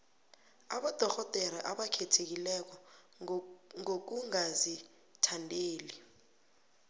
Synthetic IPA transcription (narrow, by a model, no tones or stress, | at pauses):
aɓɔd̥ʱɔkɔd̥ʱɛɾaʔaɓakʰɛtʰek̬ilɛk̬ɔ | ŋok̬uŋazi | tʰandʱeːli